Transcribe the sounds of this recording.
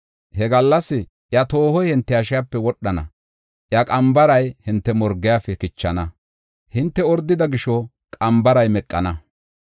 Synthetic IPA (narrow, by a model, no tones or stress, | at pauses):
hɛɡɐlːɐsːɪ | ʔjɐt̪o̞ːhɔjhɪnt̪ːɛɐʃɪjapːɛwɔɗːɐnɐ̰ | ʔjɐkʼɐmbɐɾɐjhɪnt̪ːɛmɔɾɡːɪjaːfɛkɪt͡ʃːɐnɐ | hɪnt̪ːɛɔɾd̪ːɪd̪ɐɡɪʃɔ | kʼɐmbɐɾɐjmɛkʼːɐ̰nɐ